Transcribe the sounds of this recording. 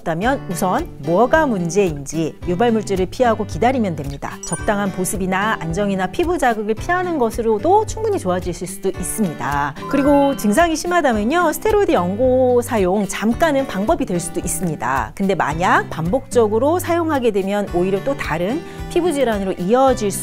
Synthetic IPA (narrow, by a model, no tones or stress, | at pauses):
t͈amjʌnusʰʌnmuʌɡamund͡ʑe̞ind͡ʑijubaɭmuɭt͡ɕ͈eɾɯɭpʰiɦaɡokidaɾimjʌndwemɲida̰t͡ɕʌk̚t͈aŋɦanposʰɯbinaa̰nd͡ʑʌŋinapʰibud͡ʑaɡɯɡɯɭpʰiɦanɯnɡʌsʰɯɾodot͡ɕʰuŋbuɲit͡ɕoad͡ʑiɭsʰɯɭs͈udoʔis͈ɯmɲida̰kɯɾiɡot͡ɕɯŋs̬ʰaŋiɕʰimɦadamjʌɲosʰɯ̥tʰe̞ɾoidɯjʌŋɡosʰajoŋt͡ɕamk͈anɯnpaŋbʌbidwe̞ɭs͈udois͈ɯmɲida̰kɯnde̞ma̰ɲapambok̚t͡ɕ͈ʌɡɯɾosʰajoŋɦaɡe̞dwe̞mjʌnoiɾjʌt͈otaɾɯn | pʰibud͡ʑiɾanɯɾoʔiʌd͡ʑiɭs͈u